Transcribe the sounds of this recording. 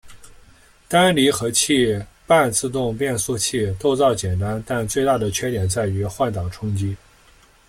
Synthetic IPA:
t̪a˥nli˧˥xɤ˧˥t͡ɕʰi˥˧ | pa˥˧nt͡sɹ̩˥˧t̪ʊ˥˧ŋpjɛ˥˧nsu˥˧t͡ɕʰi˥˧t̪o˥˧ʊt͡sɑ˥˩ʊt͡ɕjɛ˨˩nt̪a˥nt̪a˥˧nt͡swe˥˧ɪt̪a˥˩d̪ə˩t͡ɕʰɥɛ˥t̪jɛ˨˩nt͡sa˥˩ɪy˧˥xwa˥˩nt̪ɑ˨˩ŋʈ͡ʂʰʊ˥ŋt͡ɕi˥

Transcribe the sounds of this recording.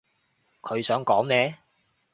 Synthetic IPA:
kʰɵ˨˧ɥsœː˨˥ŋkɔː˨˥ŋnɛː˨˧

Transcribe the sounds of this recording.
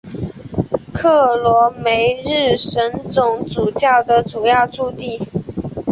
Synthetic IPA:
kʰɤ˥˩lwɔ˧˥me˧˥ɪɻɻ̩˥˩ʂə˧˥nt͡sʊ˨˩ŋt͡su˨˩t͡ɕjɑ˥˩ʊd̪ə˨ʈ͡ʂu˨˩jɑ˥˧ʊt͡su˥˧t̪i˥˩

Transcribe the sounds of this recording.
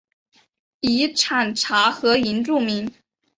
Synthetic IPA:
i˧˥ʈ͡ʂʰa˨˩nʈ͡ʂʰa˧˥xɤ˧˥i˧˥nʈ͡ʂu˥˩mi˧˥n

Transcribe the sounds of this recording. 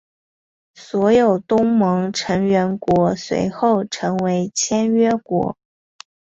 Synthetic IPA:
swɔ˧˥jo˨˩ʊt̪ʊ˥ŋmɤ˧˥ŋʈ͡ʂʰɤ˧˥ŋɥɛ˧˥nkwɔ˧˥swḛ˧˥ɪxo˥˩ʊʈ͡ʂʰɤ˧˥ŋwe˧˥ɪt͡ɕʰjɛ˥nɥɛ˥kwɔ̰˧˥

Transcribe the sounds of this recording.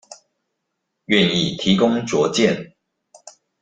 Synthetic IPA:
ɥɛ˥˨ni˥˨t̪ʰi˨˦kʊ˦ŋt͡swɔ˨˧˦t͡ɕjɛ˥˨n

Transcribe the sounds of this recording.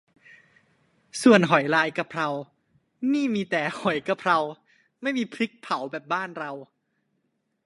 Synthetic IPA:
su˨˩ənɦɔ˨˩˦jlaː˧jka˨˩pʰɾa˧w | niː˥˩miː˧t̪ɛː˨˩hɔ˨˩˦jka˧˩pʰɾa˧w | ma˥˩jmiː˧pʰɾi˦˥k̚pʰa˨˩˦wbɛː˨˩p̚baː˥˩nɾa˧w

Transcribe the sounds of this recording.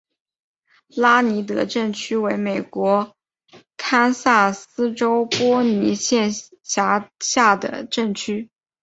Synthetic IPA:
la˥ni˧˥t̪̬ɤ̰˧˥ʈ͡ʂɤ˥˩ŋt͡ɕʰy˥we˧˥ɪme˨˩ɪkwɔ˧˥ | kʰa˥nsa˥˩sɹ̩˥ʈ͡ʂo˥ʊpwɔ˥ni˧˥ɕjɛ˥˩n | ɕja˧˥ɕja˥˩d̪ə̰˩ʈ͡ʂɤ˥˩ŋt͡ɕʰy˥

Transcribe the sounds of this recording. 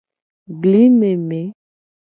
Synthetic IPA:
bli˦me˨me˨˦

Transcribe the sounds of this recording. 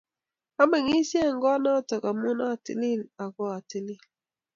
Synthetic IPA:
a˦me˨ŋi˦si˦ɛ˦˨ŋ˦ɡɔ˦na˦tɔ˨ka˨mu˦na˦˨tḭ˦li˦˨a˨ɡɔ˦a˨ti˦li˦

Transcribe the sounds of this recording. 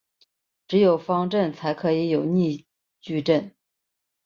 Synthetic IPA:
ʈ͡ʂɻ̩˧˥jo˨˩ʊfɑ˥ŋʈ͡ʂə˥˩nt͡sʰa˧˥ɪkʰɤ˧˥i˧˥jo˨˩ʊni˥˧ | t͡ɕy˥˧ʈ͡ʂə˥˩n

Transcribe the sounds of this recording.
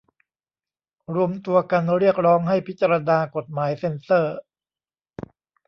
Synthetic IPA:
ɾu˧əmt̪u˧ɐka˧nɾi˥˩ək̚ɾɔː˦˥ŋha˥˩jpʰi˦˥t̪̚t͡ɕaː˧ɾa˧naː˧ko˨˩t̪̚maː˩˦jse˧nsɤː˥˩

